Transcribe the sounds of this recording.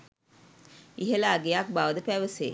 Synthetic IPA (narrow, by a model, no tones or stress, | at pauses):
iɦelaːɡejak̚baʋəd̪əpæʋəsḛː